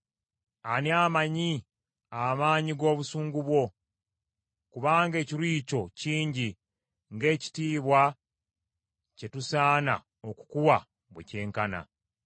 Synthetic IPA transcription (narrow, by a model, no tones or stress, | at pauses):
aniaːmaɲi | amaːɲiɡo̞ːβusuːŋɡuβwo̞ | kuβaːŋɡe̞ːciɾiːco̞ciːɲɟi | ŋɡe̞ːci̥tiːβwa | ce̞tusaːna̰ | o̞ku̥kuwa | βwḛce̞ːŋkana̰